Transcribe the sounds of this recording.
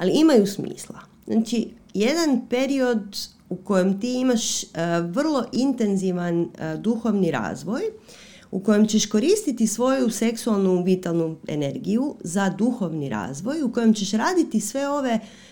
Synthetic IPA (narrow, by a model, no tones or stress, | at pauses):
aliimajusmḭːslˠa̰ | z̥na̰ːt͡ʃi | je̞d̪anpe̞ɾio̞d̪ | uko̞jemt̪iimaʃʋr̩lˠo̞ʔint̪e̞nziʋand̪uxo̞ʋniɾa̰ːzʋo̞j | uko̞je̞mt͡ɕeʃko̞ɾiːst̪it̪isʋo̞juse̞ksualˠnuʋit̪alˠnue̞̰ne̞ɾɡijuzad̪uxo̞ʋniɾa̰ːzʋo̞juko̞jemt͡ɕeʃɾaːd̪it̪isʋe̞o̞ʋe̞